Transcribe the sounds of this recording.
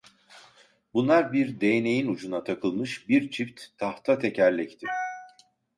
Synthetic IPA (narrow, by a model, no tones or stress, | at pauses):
bunlˠaɾbiɾd̪e̞jne̞jinud͡ʒunat̪ʰakʰɯlˠmɯʃbiɾt͡ʃʰift̪ʰːaht̪ʰat̪ʰe̞cʰæɾlʲɛct̪ʰi